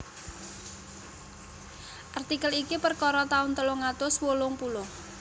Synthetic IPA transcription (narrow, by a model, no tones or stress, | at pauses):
ʔart̪ikəlikipərkɔɾɔt̪aʊnt̪əlʊŋat̪ʊswolʊŋpulʊh